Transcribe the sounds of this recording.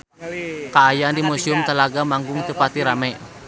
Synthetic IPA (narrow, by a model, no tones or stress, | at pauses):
kaːjandimusiʊmt̪əlaɡamaŋɡʊŋt̪upat̪iɾamɛʔ